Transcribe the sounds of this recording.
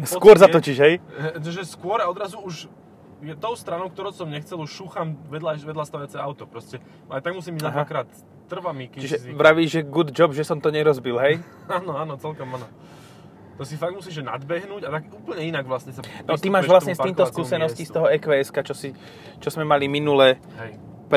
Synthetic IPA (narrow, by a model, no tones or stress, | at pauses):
skʊɔɾzat̪ɔciʒɦɛjtɔʒɛskʊɔɾaɔd̪ɾazuuʃ | jɛt̪ɔʊst̪ɾanɔʊk̚t̪ɔɾɔʊsɔmɲɛxt͡sɛluʃʃuxamʋɛd̪laʋɛd̪last̪aʋajat͡sɛaʊt̪ɔpɾɔscɛ | najt̪aɡmusiːmbiɟ̪atakɾaːt̪ː | r̩ʋamikt͡ʃiʒɛʋɾaʋiːʒʒɛɡud̪d͡ʒɔbʒɛsɔmt̪ɔɲɛɾɔzbilɦɛj | aːnɔaːnɔt͡sɛlkɔmanɔ | t̪ɔsifaɡ̚mus̬iːʒɛna̰d̪bɛɦnuːɟat̪aɡuːpl̩ɲɛinaɡʋlasɲɛsanɔt̪imaːʒʋlasɲɛst̪iːmt̪ɔskuːsɛnɔsciːst̪ɔɦɔɛkʋɛɛskat͡ʃɔsi | t͡ʃɔzmɛmaliminulɛ | ɛj | p